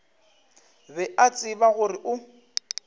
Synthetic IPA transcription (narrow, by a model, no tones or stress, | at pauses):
bɛat͡sʼɪbaɣʊrɪʔʊ